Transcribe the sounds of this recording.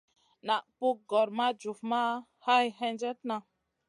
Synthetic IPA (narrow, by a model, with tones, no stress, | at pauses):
na˨ʔpu˦k̚ɡɔ˨ɾma˦d͡ʒu˨fma˦ | ha˦jɦɛ˦nd͡ʒɛ˦tna˨